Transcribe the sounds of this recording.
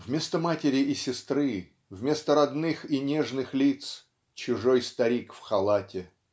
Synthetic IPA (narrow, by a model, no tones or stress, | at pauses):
vmʲe̞st̪əmatʲɪɾʲɪʔːsʲɪst̪ɾɨ | vmʲe̞st̪əɾɐd̪nɨxinʲeʐnɨxlʲit̪s | t͡ɕʊʐojst̪ɐɾʲikfxɐlˠatʲɪ